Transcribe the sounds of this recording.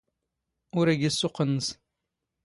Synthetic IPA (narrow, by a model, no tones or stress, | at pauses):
ʊɾæɡisːʊqənːəs